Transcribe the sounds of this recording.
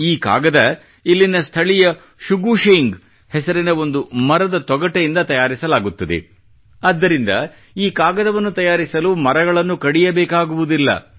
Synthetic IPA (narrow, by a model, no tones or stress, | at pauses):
iːka̰ːɡɐd̪ɐ | ilːinɐst̪ʰɐɭijɐ | ʃuɡuʃeŋɡ | hɛsɐɾinɐo̞nd̪umɐɾɐd̪ɐt̪ɔɡɐʈejind̪ɐt̪ɐjaːɾisɐlaːɡut̪ːɐd̪ḛ | ɐd̪ːɐɾind̪ɐ̰ | iːkaːɡɐd̪ɐʋɐnːut̪ɐjaːɾisɐlumɐɾɐɡɐɭɐnːukɐɽijɐbɛːkaːɡuʋud̪ilːɐ̰